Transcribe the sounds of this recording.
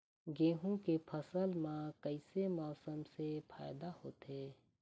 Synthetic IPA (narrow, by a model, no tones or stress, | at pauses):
ɡeːɦũkepʰəsəlmãkəɪsemɔːsəmsepʰa̰ːɪd̪ahoːt̪eː